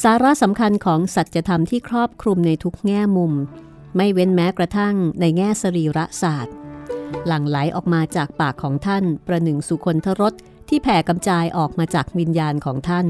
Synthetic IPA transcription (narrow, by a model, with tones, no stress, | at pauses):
saː˨˩˦ɾa˦˥sa˩˦mkʰa˧nkʰɔː˩˦ŋsa˨˩t̪̚t͡ɕa˨˩ʔt̪ʰa˧mt̪ʰiː˥˩kʰɾɔː˥˩p̚kʰɾu˧mna˧jt̪ʰu˦˥k̚ŋɛː˥˩mu˧m | ma˥˩jwe˦˥nmɛː˦˥kɾa˧t̪ʰa˥˩ŋna˧jŋɛː˥˩sa˧ɾiː˧˩ɾa˦˥ʔsaː˨˩t̪̚la˨˩˦ŋla˩˦jʔɔ̰ː˨˩k̚maː˧t͡ɕaː˨˩k̚paː˨˩kʰːɔː˩˦ŋt̪ʰa˥˩npɾa˧nɯ˨˩ŋsu˨˩kʰo˧nt̪ʰa˦˥ɾo˦˥t̪̚ʰːiː˥˩pʰɛː˨˩ka˧mt͡ɕaː˧jʔɔː˨˩k̚maː˧t͡ɕaː˨˩k̚wi˧njaː˧nkʰɔː˩˦ŋt̪ʰa˥˩n